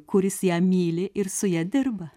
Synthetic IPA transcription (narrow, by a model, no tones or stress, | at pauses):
kʊɾʲɪsjɛmʲiːlʲɪʔɪɾsʊjɛd̪ʲɪɾbɐ